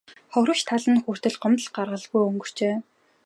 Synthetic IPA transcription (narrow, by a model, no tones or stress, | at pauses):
χɔɾə̆t͡ɕt̪ʰaɮə̆nxur̥t̪ɘ̆ɮɢɔmt̪ə̆ɮɢarʁə̆ɮɣujɵŋɡɵ̆r̥t͡ɕeː